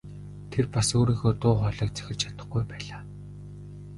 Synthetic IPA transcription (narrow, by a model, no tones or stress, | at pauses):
t̪ʰerpasoːɾiːŋxoːt̪ʊːχɔɮɞːk̚t͡sæ̥xʲɪ̆rt͡ɕʰḁt̪ə̆χɡujpæːɮaː